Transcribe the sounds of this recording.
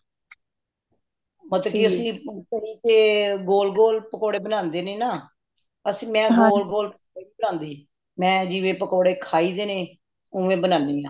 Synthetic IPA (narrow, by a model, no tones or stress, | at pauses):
mət̪ləbkiʊsĩːkəiːkeːɡoːlɡoːlpəkoːɽeːbənãːnd̪eːneːnaː | əsmɛ̃ːɡoːlɡoːlpəkoːɽeːbiːbənãːnd̪eː | mɛ̃ːd͡ʒɪʋẽːpəkoːɽeːkʰaːiːd̪eːnẽː | ʊʋẽːbənãːniːãː